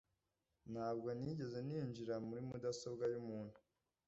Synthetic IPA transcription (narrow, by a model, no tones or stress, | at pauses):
nhaːb̚ɡo̞niɟe̞ze̞niːɲd͡ʒiɾamuɾimudaso̞bɡajumuːnhu